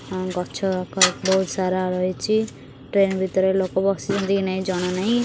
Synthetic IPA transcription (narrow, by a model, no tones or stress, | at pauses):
ɡʱʌt͡ʃʰokabʌut̪saɾaɾʌɦet͡sʰi | ʈrenbʱit̪ɾʌlokobʌsid͡zʌd̪inʌjd͡zʌñʌnʌj